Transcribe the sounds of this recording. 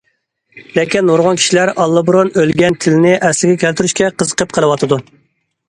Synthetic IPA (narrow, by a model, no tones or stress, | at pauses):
lekʲinːoɾʁɑnkʲʰi̥ʃilæɾɑlˠːəbɾonølɡʲɛnt̪ʰɪlɪnɪʔɛslɪɡʲɛkʲʰælt̪yɾyʃkʲɛqʰəzəqʰəp̚qʰəlˠɨwɑt̪ʰɨd̪u